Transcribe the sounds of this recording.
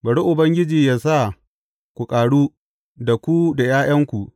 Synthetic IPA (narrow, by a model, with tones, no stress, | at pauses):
bɐ˨ɽu˦ʔʊ˨bɐ˦ŋɡʲɪ˦d͡ʒiː˨jaː˦sa˦˨ | kʷu˨kʼaː˨ɽuː˦ | da˨kʷu˦da˨jaː˦j̰ɐ˦ŋkʷu˨ʔ